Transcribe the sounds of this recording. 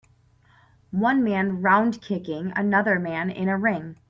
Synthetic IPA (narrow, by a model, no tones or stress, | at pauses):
wʌ̃nmæ̃nɹãʊ̃nkʰɪkɪ̃ŋɨ̰nʌðə˞mæ̃nɪ̰̃ɾ̃ɨɹɪ̃ŋ